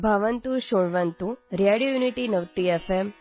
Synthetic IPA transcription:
bʱaʋənt̪ũʃoɽʋənt̪uɾijaɽijojuniʈinəʋt̪iefem

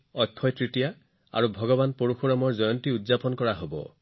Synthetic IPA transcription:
ɔjkʰːɔjtɹitija | a̰ɹubʱɔɡɔbanpoɹuxuɹamɔɹzɔjɔntiudzapɔnkɔɹaɦobɔ̰

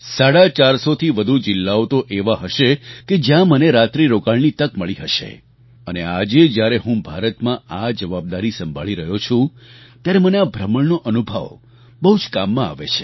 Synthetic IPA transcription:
saɽat͡ʃaɾsot̪ʰiʋəd̪ʱud͡ʒɪlːaot̪oʔeʋaɦəʃeked͡ʒjãməneɾat̪ɾiɾokaɭnit̪əkməɭiɦəʃḛ | ənead͡ʒed͡ʒjaɾeɦũbʱaɾət̪mãad͡ʒəʋab̚d̪aɾisəmbʱa̰ɭiɾəɦjot͡ʃʰũt̪jaɾeməneabʱɾəməɳnoʔənubʱə̰ʋ | bəɦud͡ʒkamːãa̰ʋḛt͡ʃʰe̥

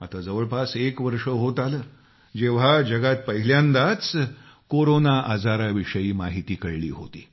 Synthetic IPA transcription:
at̪ad͡zəʋəɭpasekʋəɾʂəɦot̪aləː | d͡ʑeʋ̤ad͡ʑəɡat̪̚pəɦiljãnd̪at͡s | koɾonaʔad͡zaɾaʋiʂəjiːmaɦit̪iːkəɭɭḭːɦo̰t̪ḭː

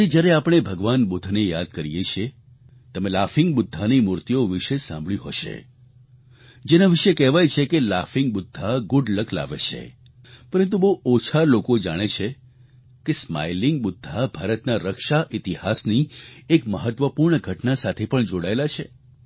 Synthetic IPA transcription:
id͡ʒjaɾeapɽ̃ebʱəɡʋanbud̪ʱnejad̪̚kəɾijet͡ʃʰie | t̪əmelafɪŋɡbʊd̪ʱːanimuɾt̪ijoʋɪʃesã̰mbɭiɦo̰ʃḛ | d͡ʒenaʋiʃekɛʋajt͡ʃʰekelafɪŋɡ̚bʊd̪ʱːaɡʊɖləkʰla̰ʋḛt͡ʃʰḛ | pəɾənt̪ubəot͡ʃʰalokod͡ʒaɽ̃et͡ʃʰe | kesma̰jlɪŋɡ̚bʊd̪ʱːabʱaɾət̪naɾəkʃaʔit̪ihasniekməɦət̪ʋəpuɾɳəɡʱəʈnasat̪ʰepəɳd͡ʒoɽaelat͡ʃʰe

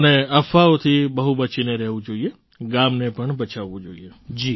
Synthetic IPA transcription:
əneɐfʰaot̪ʰibəɦubət͡ʃineɾɛɦʋũd͡ʒoːie | ɡãːmnepəɳbət͡ʃʰaʋũd͡ʒoːḭed͡ʒi

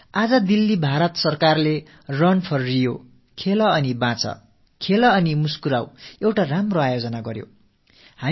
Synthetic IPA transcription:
ad͡zʌd̪ilːibʱaɾʌt̪sʌrkarle | rʌnpʰʌrːijo | kʰelʌʌnibãt͡sʌ̰ | kʰelʌːnimuskuɾawewʈaramroajod͡zʌnaɡʌɾjo̰ | ha

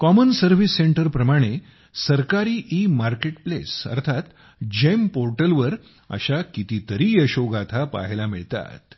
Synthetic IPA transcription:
kɔmənsəɾʋ̤isːeɳʈəɾpɾəmaɽ̃e | səɾkaɾiːʔimaɾkeʈplesə̰ɾt̪ʰat̪ | d͡ʑempoɾʈəlʋəɾ | ə̰ɕakit̪it̪əɾiːəɕoɡat̪ʰapa̰ɦelamiɭt̪a̰t̪

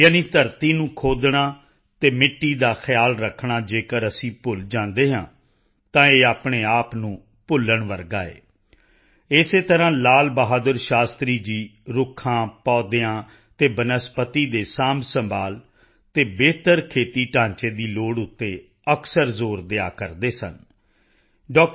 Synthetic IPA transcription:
jaːniːt̪əɾt̪iːnũːkʰoːd̪ɳaː | t̪eːmɪʈːiːd̪aːxʰɪjaːlɾəkʰɳaːd͡ʒeːkəɾəsĩːpʊld͡ʒãːnd̪eːɦãː | t̪ãːeːaːpɳeːaːpnũː | pʊləɳʋəɾɡaːḛː | ɪseːt̪əɾãːlaːlbəɦaːd̪əɾʃaːst̪ɾiːd͡ʒiːɾʊkʰːãːpɔːd̪eãː | t̪eːbənəspət̪iːd̪eːsaːmsəmbaːl | t̪eːbeːt̪əɾkʰeːt̪iːʈãːɲt͡ʃeːd̪iːloːɽʊt̪ːeː | əksəɾzoːɾd̪eaːkəɾd̪eːsə̰n | ɖɔːk

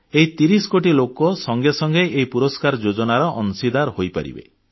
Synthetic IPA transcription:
eɦit̪iɾisɔ̥koʈilokɔsɔŋɡesɔŋɡeʔeɦipuɾɔskaɾɔd͡ʒod͡ʒɔnaɾɔʔɔnsid̪aɾɦojpa̰ɾḭbḛ

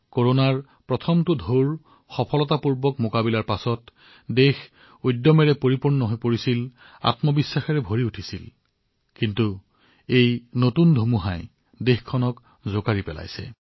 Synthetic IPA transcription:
koɹonaɹ | pɹɔtʰɔmtʊdʱoɹ | xɔpʰɔlɔtapuɹbɔkmokabilaɹpasɔt | dex | ojdːɔmɛɹɛpoɹipuɹnɔɦojpoɹisil | a̰tmɔbisːaxɛɹɛbʱoɹiutʰisil | kintu | ejnotundʱomuɦãj | dexkʰːɔnɔk | zokaɹipɛla̰jsɛ̰

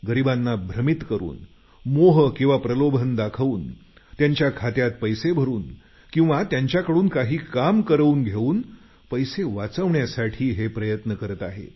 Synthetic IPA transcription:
ɡəɾibanːabʱɾəmit̪kəɾṵːn | moɦəkĩw̃ʋapɾəlobʱənd̪akʰəuːn | t̪jaɲt͡ɕjakʰat̪jat̪̚pəjsebʱəɾuːn | kĩw̃ʋat̪jaɲt͡ɕjakəɽuːnkaɦiːkamkəɾuːnɡʱeuːn | pəjseʋat͡səʋɳjasaʈʰiːɦepɾəjət̪nəkəɾət̪aɦḛ

